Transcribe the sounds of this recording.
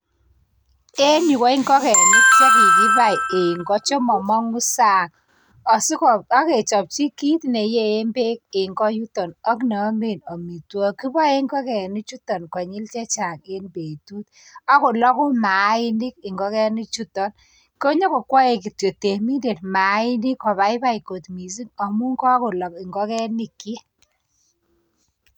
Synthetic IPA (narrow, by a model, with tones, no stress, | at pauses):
e˦ni˨kɔ˦ɪ˦ŋɡɔ˦kɛ˨ni˦t͡ʃɔ˦ki˨ki˦ba˦˨e˨ŋɡɔ˦t͡ʃɔ˦mɔ˨mɔ˦ŋu˦sa˦˨ŋ | ɔ˨si˦kɔ˨a˦ke˨t͡ʃɔ˨p̚t͡ʃi˦ki˦tne˨je˦e˦mbe˦k̚e˨ŋɡɔ˦ju˦tɔ˨nɔ˦kna˨˦me˦˨nɔ˨mi˨twɔ˦ki˦ba˦e˦ŋɡɔ˦kɛ˨ni˦t͡ʃu˦tɔ˨nkwa˨ɲi˦lt͡ʃɛ˦t͡ʃa˨ke˦nbe˨tu˦t̪ | a˦kʊ˨lɔ˦kʊ˦ma˨˦ɪ˦ni˦k̚ɪ˨ŋɡɔ˦kɛ˦ni˦t͡ʃu˦tɔ˨n | ko˦ɲɔ˦kɔ˨kwɔ˦e˨k̬i˨twe˨te˨mi˦nde˨tma˨˦ɪ˦ni˦kɔ˨βa˨˦ɪ˦ba˦i˨ko˨t̪mi˨s̬i˦ŋɔ˨mu˦ŋkɔ˦kʊ˨lɔ˨kɪ˨ŋɡɔ˦kɛ˦ni˨kːi˦